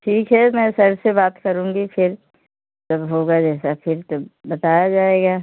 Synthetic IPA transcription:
ʈʰiːkɦɛmɛ̃sɐɾsebaːt̪kɐɾũːŋɡipʰɪɾ | d͡ʒɐbɦoːɡad͡ʒɛːsapʰɪɾt̪obɐt̪aːjad͡ʒaːeːɡaː

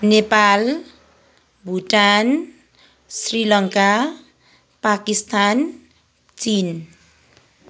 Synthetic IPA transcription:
nepal | bʱuʈan | srilʌŋka | pakist̪an | t͡sin

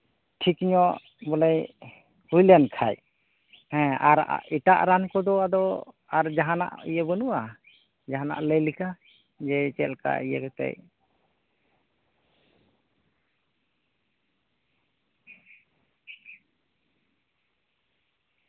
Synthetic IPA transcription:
ʈʰikɲɔʔ | bɔlɛj | hujlankʰaj | hɛ̃aɾa̰iʈa̰ʔɾankɔd̪ɔad̪ɔ | aɾd͡ʒaɦana̰ʔḭjəbənuʔa | d͡ʒaɦana̰ʔləjlika | d͡ʒɛt͡ʃɛlka̰ijə̰kɛt̪ɛ̰ʔ

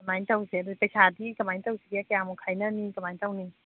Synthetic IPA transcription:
kamajt̪awsidojpajsaːdikamant̪awsidiakjaŋmɔkʰajnanikamajnt̪awni

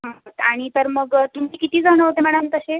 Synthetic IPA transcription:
ɦot̪aɽ̃it̪əɾməɡt̪umiːkit̪ʰiːd͡zʱaɽ̃əɦot̪emɛɽ̃ənt̪əɕe

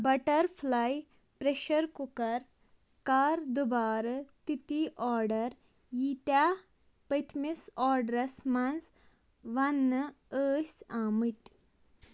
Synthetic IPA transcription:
bɐʈəɾfʰlaj | pɾeɕəɾkukɐɾ | kaɾd̪ubaːɾɐt̪it̪iʔɔɾɖəɾ | jit̪ja | pɐt̪ʰmisɔɾɖɾɐsmand͡z | ʋanːə | əːsamit̪

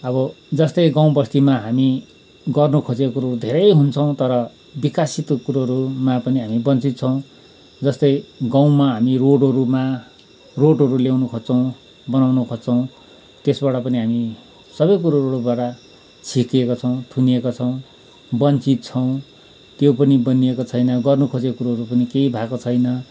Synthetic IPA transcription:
ʌbʌ | d͡zʌst̪ʌjɡaw̃bʌst̪imaɦami | ɡʌrnukʰod͡zekokuɾoud̪ʱeɾʌjɦunt͡sʰʌw̃t̪ʌɾʌ | bikasit̪kuɾʌɾumapʌniɦamibʌnt͡sit̪̚t͡sʰʌw̃ | d͡zʌst̪ʌjɡãw̃maɦamiroɽʌɾuma | roɽɦʌɾulawnukʰort͡sʰʌw̃ | bʌnawnukʰot͡sʰʌw̃ | t̪esbaʈʌpʌniɦami | sʌbʌjkuɾoɾːɽubaʈʌ | t͡sʰikekot͡sʰʌw̃t̪ʰuniekot͡sʰʌw̃ | bʌnt͡sit̪̚t͡sʰʌw̃ | t̪jopʌnibʌniekot͡sʰʌjnʌɡʌrnukʰot͡sekuɾoɦʌɾupʌnikeibʱakot͡sʰʌjnʌ

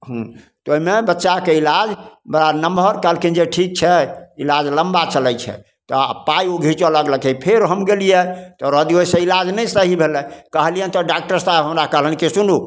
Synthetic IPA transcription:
ɦũt̪oimebətːʃakeilad͡ʒbəɾanəmbʱəɾkɛlkind͡ʒeʈʰik̚t͡ʃʰɛilad͡ʒləmbat͡ʃəlɛjt͡ʃʰɛ̰ | t̪ɔ̰paioɡʱit͡ʃoləɡləkʰɛpʰeɾɦəmɡelijet̪ɔɾəd̪iosə̃ilad͡ʒnɛjsəɦibʱelɛ̃kəɦlijət̪ɔɖak̚ʈəɾsabɦəmɾakəɦlənkesunu

